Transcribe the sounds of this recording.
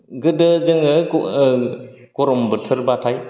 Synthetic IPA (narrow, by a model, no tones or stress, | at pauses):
ɡɯdəzɯŋɯ | kɔɾɔmbɯtʰɯɾbatʰaj